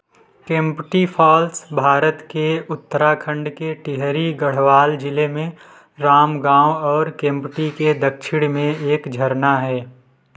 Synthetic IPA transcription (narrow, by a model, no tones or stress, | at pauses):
kẽːmpʈipʰɔːlsbʱaːɾət̪keʊt̪ːəɾakʰə̃ɳɖkeʈɪɦɾiɡəɽ̤ʋaːld͡ʒɪlemẽ | ɾaːmɡãːwɔːɾkẽːmpʈiked̪əkʃʰɪɽ̃mẽeːkd͡ʒʱəɾnaɦɛː